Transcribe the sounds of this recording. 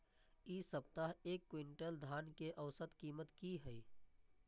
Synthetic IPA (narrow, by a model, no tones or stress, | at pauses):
iːsəb̚t̪aɦeːkːwɪɳʈəld̪ʱaːnkeʔəʊsət̪kiːmət̪kiɦɛi